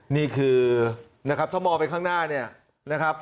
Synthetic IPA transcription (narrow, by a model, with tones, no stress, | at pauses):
niː˥˩kʰɯː˧ | na˦˥kʰɾa˦˥p̚t̪ʰa˥˩mɔː˧pa˧nkʰaː˥˩ŋnaː˥˩ni˥˩ɐ | na˦˥kʰa˦˥p̚